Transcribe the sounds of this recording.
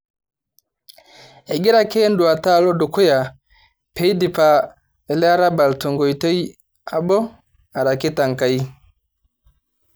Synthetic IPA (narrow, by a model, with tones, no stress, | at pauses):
ɛ˨ɡi˦ɾa˦ke˦ndu˨a˨ta˦˨lɔ˦du˨ku˦ja˨ | pe˨˦i˦di˨pa˨ | ɛ˨lɛ˦a˦ɾa˦ba˨lto˨ŋɡɔ˨i˨te˦i˦ | a˨bɔ˦ | a˨ɾa˨ki˦ta˨ŋka˨i˦